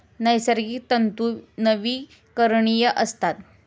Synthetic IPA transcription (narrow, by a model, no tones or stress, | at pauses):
nəjsəɾɡiːt̪ənt̪unəʋiː | kəɾɳijəʔəst̪at̪